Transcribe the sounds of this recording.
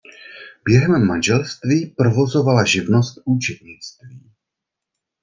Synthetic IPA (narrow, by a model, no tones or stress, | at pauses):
bjɛɦɛmːanʒɛlst̪viːpɾovo̞zovalaʒɪvno̞st̪̚ʔuːt͡ʃɛd̪ɲɪt͡st̪viː